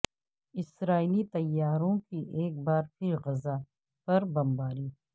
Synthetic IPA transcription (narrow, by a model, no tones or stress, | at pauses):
ɪsɾaːilit̪ɐjːaːɾõkiʔeːk̚baːɾpʰɪɾɣɐza | pɐɾbɐmbaːɾiː